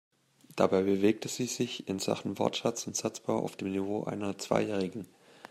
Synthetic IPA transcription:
d̥abaɪbəveːk̚tʰəz̥iːzɪçɪnz̥a̰χn̩vɔ̰ɐtʃat͡sʊntz̥at͡sb̥aʊʔa̰ʊfd̥eːmnivoːʔa̰ɪnɐt͡sv̥a̰ɪjɛːʁ̞ɪɡŋ̩

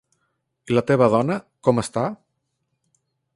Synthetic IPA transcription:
ilət̪eβəðɔnəkɔməst̪a

